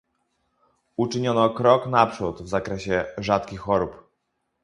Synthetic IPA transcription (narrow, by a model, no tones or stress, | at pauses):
ut͡ʂɘɲɔnɔkɾɔknapʂut̪vzakɾɛɕɛʐat̪kʲixːɔɾup